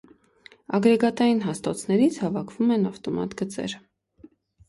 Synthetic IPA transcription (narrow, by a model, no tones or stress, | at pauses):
ɑɡɾɛɡɑt̪ɑjinɦɑst̪ɔt͡sʰnɛɾit͡sʰhɑvɑkʰvumɛnɑft̪ɔmɑ̰t̪ɡət͡sɛ̰ɾ